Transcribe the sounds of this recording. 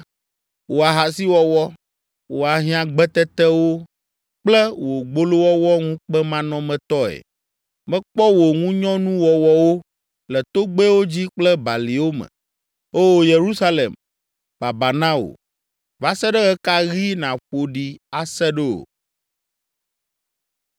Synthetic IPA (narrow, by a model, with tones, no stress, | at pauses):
wo˨a˨ɦa˨si˦wɔ˦wɔ˦ | wo˨a˨ɦĩ˦ã˨ɡ͡bɛ˦t̪ɛ˦t̪ɛ˦wo˦ | k͡plɛ˦wo˨ɡ͡bo˦lo˦wɔ˦wɔ˦ŋũ˦k͡pɛ˦mã˦nɔ̃˦mɛ̃˨t̪ɔ˦ɛ̰˨ | mɛ̃˦k͡pɔ˦wo˨ŋũ˦ɲɔ̃˦nũ˦wɔ˨wɔ˦wo˦ | lɛ˨t̪o˦ɡ͡be˦wo˦d͡ʑi˦k͡plɛ˦ba˨li˨wo˦mɛ̰̃˨ | o˦˨je˨ɾu˦sa˦lḛ˨m | b̥a˨ba˨nã˦o̰˨ | va˨sɛ˦ɖɛ˦ɣɛ˦ka˦ɣi˦nã˨ɸo˨ɖi˨a˨sɛ˦ɖɛ˦o̰˨